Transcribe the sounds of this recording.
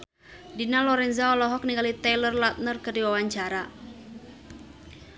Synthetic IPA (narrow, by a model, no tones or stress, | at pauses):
dinalɔɾɛnzaɔlɔɦɔk̚niŋɡalit̪ɛlərlat̪̚nərkədiwawaɲt͡ʃaɾa